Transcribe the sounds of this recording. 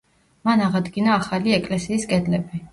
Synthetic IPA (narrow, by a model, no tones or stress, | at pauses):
manaʁad̪ɡinaːχaliɛkʼlɛsiːskʼɛd̪lɛbi